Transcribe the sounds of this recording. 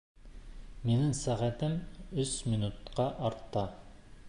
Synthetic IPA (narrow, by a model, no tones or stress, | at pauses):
menɪŋsæʁæt̪ʰɪmysminut̪qɑʔɑɾt̪ʰːɑ